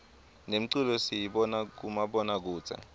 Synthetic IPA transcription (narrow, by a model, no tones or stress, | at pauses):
nem̩ǀilɔsijiɓɔnak̬umaɓɔnak̬uːt͡sʰʼa̰